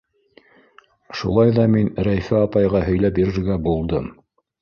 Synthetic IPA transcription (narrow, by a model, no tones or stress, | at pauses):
ʃṵlˠɑjðɑminɾæjfɘɑpɑjʁɑɦɵ̆jlæpjiɾɘ̆ɾɡæbulˠd̪ɤm